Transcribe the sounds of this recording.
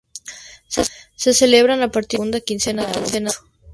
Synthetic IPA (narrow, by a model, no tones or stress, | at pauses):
seseleβɾanapaɾt̪iɣund̪akinsenaant̪ena